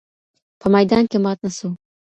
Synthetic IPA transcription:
pʰamajd̪ankʲemat̪̚nasu

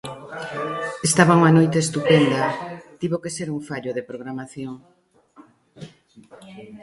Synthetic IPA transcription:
est̪aβauŋanojt̪eːst̪upend̪at̪iβokeseɾuɱfaʎoðepɾoɣɾamaθjoŋ

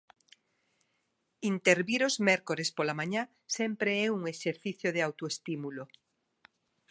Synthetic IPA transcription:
int̪eɾβiɾozmɛɾkoɾespolamãɲa | sɛmpɾeɛuŋeʃeɾθiθjoðeawt̪oest̪imulo

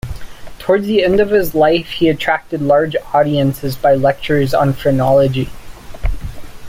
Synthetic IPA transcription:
tʰɔɹdzðiɛ̃ndʌv̥ɨzlaɪfhiɨtʰɹ̥æk̚tɨdˡlɑɹd͡ʒɔɾiɨ̃nsɨzbaɪlɛk̚t͡ʃə˞zn̩fɹ̥ɨnɑlˠəd͡ʒi

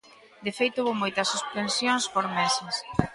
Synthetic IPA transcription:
d̪efejt̪ouβomojt̪ɐsːuspensjonspoɾmɛsɪs

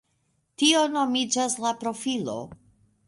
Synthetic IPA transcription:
tio̞no̞mid͡ʒaslapɾo̞filo̞̰

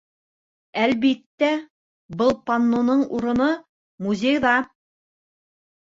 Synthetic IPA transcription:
ælβit̪ːæ | bɤlˠpɐnːonɤɴuɾɤ̆nɤ | muzʲejðɑ

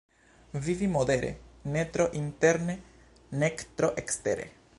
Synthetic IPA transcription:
vivimod̪e̞ɾḛnet̪ɾoʔint̪e̞ɾne | nekt̪ɾoʔekste̞ɾḛ

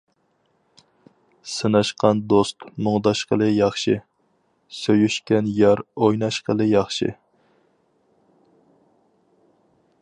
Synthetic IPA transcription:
sɨnɑʃqʰɑnd̪ost̪moŋd̪ɑʃqʰəlˠɨjɑχʃɨ | søjyʃkʲɛnjɑɾojnɑʃqəlˠɨjɑχʃɨ̰

